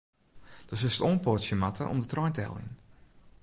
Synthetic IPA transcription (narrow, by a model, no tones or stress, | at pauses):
d̥ɔsɪsətoːnpɔtsjəmatʰə̰ʔɔ̰mdətrɔjntəɛ̰lˠḭn